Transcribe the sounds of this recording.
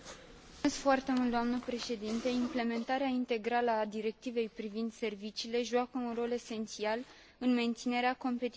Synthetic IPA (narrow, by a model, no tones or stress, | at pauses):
eskfoart̪e̞mult̪d̪oamnəpɾe̞ʃe̞d̪int̪eimple̞me̞nt̪aɾeaint̪e̞ɡɾaləad̪iɾe̞k̚t̪ive̞jpɾivind̪se̞rvit͡ʃiːle̞ʒuakəunro̞le̞se̞nt̪sial | ɨnme̞nt̪sine̞ɾeako̞mpe̞t̪i